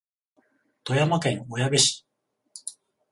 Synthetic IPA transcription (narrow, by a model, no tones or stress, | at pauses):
t̪o̞jamakẽ̞ŋojabeɕi̥